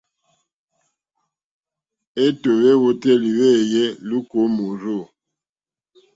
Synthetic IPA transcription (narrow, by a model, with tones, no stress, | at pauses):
e˦to˨βe˦wo˦tɛ˦˨li˨we˦˨jɛ˦lu˦ko˨˦mu˨ɾo˦˨